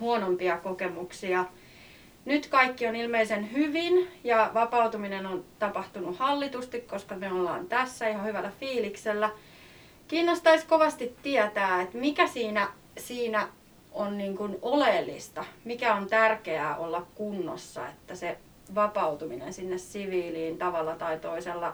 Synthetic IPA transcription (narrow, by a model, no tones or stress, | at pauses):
huonompiɑkokemuksiɑ | nyt̪kɑikːionilmeisenhyʋinjɑʋɑpɑut̪uminenont̪ɑpɑht̪unuhɑlːit̪ust̪ikkoskɑmyøolːɑ̰ːnt̪æsːæihɑhyʋælːˑæfiːlikselːæ | kiːnːost̪ɑiskoʋɑst̪it̪tiɛt̪æːet̪mikæsiːnæ | siːnæ | onniːŋkunoleːlːḭst̪ɑmikæont̪ærkeæ̰ːʔolːɑkkunːo̰sːɑ̰ḛt̪ːæse | ʋɑpɑut̪uminḛnsinːessiʋiːliːnt̪ɑʋɑlːɑt̪ɑit̪oiselːɑ